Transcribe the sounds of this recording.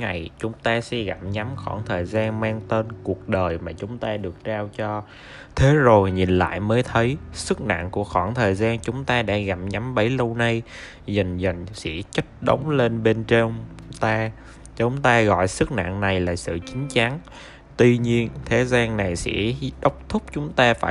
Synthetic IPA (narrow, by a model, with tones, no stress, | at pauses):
ŋa˨˩jt͡ɕʊ˨˦ŋ͡mt̪aː˧sɛ̰˧˥ɣa˨˩p̚ɲa˨˦mxɔ˧˩nt̪ʰəː˨˩jzaː˧nmaː˧ŋt̪e˧nku˨˩ək̚ɗəː˨˩jmaː˨˩t͡ɕʊ˨˦ŋ͡mt̪aː˧ɗɨ˨˩ək̚t͡ɕaː˧wt͡ɕɔ˧ | t̪ʰe˨˦zo˨˩jɲi˨˩nla̰ː˧˨jməː˨˦jt̪ʰə˨˦jsɨ˦˥k̚na̰˧˨ŋku˧˩əxɔ˧˩nt̪ʰəː˨˩jzaː˧nt͡ɕʊ˨˦ŋ͡mt̪aː˧ɗa̰ː˧˥ɣa˨˩p̚ɲa˨˦mɓə˨˦jlə˧wna˧j | zə˨˩ŋ̟zə˨˩ŋ̟sɛḭ˧˥t͡ɕə˦˥t̚ɗə˨˦wŋ͡mle˧nɓe˧nt͡ɕe˧ | t̪aː˧ | t͡ɕʊ˨˦ŋ͡mt̪aː˧ɣɔ̰˧˨jsɨ˦˥k̚na̰˧˨ŋna˨˩jlaː˨˩sɨ̰˧˨t͡ɕï˨˦ŋ̟t͡ɕa˨˦n | t̪wi˧ɲi˧ənt̪ʰe˨˦zaː˧ŋna˨˩jsɛ̰˧˥ɗə˦˥wk͡p̚t̪ʰʊ˦˥k͡p̚t͡ɕʊ˨˦ŋ͡mt̪aː˧faː˧˩